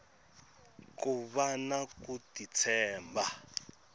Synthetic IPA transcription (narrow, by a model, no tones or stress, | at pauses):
kuβanakutit͡sʰɛːmba